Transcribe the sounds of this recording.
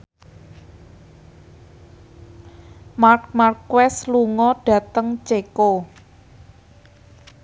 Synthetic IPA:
mark̚markwɛsluŋɔɖ̥ä̤t̪əŋt͡ʃeko

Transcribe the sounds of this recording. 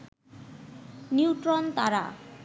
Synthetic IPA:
niwʈɾont̪a̰ɾa̰

